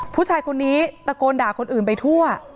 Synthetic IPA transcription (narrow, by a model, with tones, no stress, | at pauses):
pʰuː˥˩t͡ɕʰaː˧jkʰo˧nːiː˦˥t̪a˧koː˧ndaː˨˩kʰo˧nʔɯː˨˩npa˧jt̪ʰu˥˩ɐ